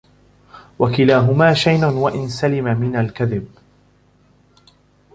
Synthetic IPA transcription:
wakɪlaːɦʊmaːʃajnʊnwaʔɪnsalɪmamɪnalkaðɪb̚

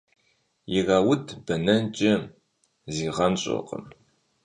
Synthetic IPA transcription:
jɪrɐːwʊdʰb̥ɐnɐnt͡ʃʼɐ | ziːʁɐnɕʼo̰qʼə̰m

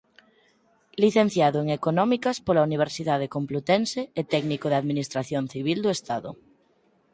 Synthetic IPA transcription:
liθenθjaðʊeŋekonɔmikaspolauniβ̞eɾsiðað̞ekomplut̪ɛnseet̪ɛɡnikoðeaðminist̪ɾaθjonθiβ̞ild̪oest̪aðʊ̰

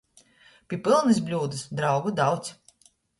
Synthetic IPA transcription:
pʲipɨlˠnɨs̬bʲlʲuːd̪ɨsd̪ɾawɡud̪awt̪sʲ

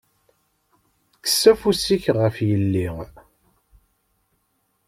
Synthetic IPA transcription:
kə̥sːæfusiçʁəfjəlːiŋ

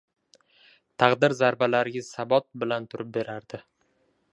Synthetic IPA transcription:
t̪ʰɑqd̪ɪɾzaɾbalaɾɪɡʲɪsabɒt̪̚bɪlant̪ʰʊɾɪp̚be̞ɾaɾd̪ɪ

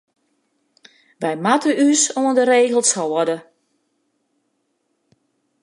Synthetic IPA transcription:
ʋɛjmatəysoəndəɾeːɣəlˠsawɔdə

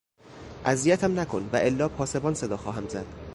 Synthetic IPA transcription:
ʔæzijæt̪ʰæmnækʰo̞nvæʔelːɒːpʰɒːse̞bɒːnse̞d̪ɒːxɒːɦæmzæd̪̥

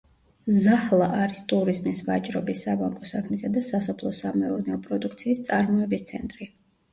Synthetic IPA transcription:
zahlˠaʔaɾist̪ʼuɾizmisva̰t͡ʃʼɾɔbisːabaŋkʼɔsakʰmisad̪asasɔpʰlˠɔsamɛuɾnɛɔpʼɾɔd̪ukʰt̪sʰiːst̪sʼaɾmɔɛbist̪sʰɛ̰nt̪ʼɾi

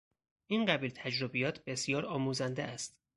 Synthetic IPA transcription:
ʔinɢæbiːlt̪ʰæd͡ʒɾobijɒːt̪ʰbe̞sijɒːɾɒːmuːzænd̪eʔæst̪

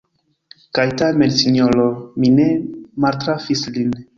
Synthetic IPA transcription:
kajtame̞nsiɲolomine̞maltɾafislin

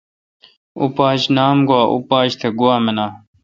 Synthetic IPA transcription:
ṵpaːɕnaːmɡuwaːʔṵpaːɕt̪ʰeɡuwaːmenaː

